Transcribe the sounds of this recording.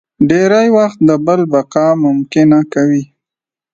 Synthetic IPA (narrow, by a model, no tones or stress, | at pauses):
ɖeɾajwaxt̪̚d̪əbəlbaqɑmʊmkɪnakawi